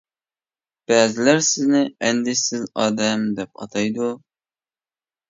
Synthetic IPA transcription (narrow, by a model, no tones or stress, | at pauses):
b̥æzlæɾsɪznɪænd̪ɪsɪzɒd̪æmd̪ɛp̚ɑ̰t̪ʰɑjd̪ʊ